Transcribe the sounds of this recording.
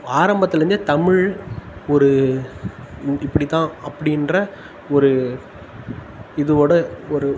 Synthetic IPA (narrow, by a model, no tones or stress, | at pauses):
aːɾɐmbɐt̪ːɪlɐɾɯnd̪ɯt̪ɐmɪɻɔɾɯ | ɪpːɐɽɪt̪ːãːɐpːɐɽɪndrɐ | ɔɾɯ | ɪðɯoːɽɐɔɾɯ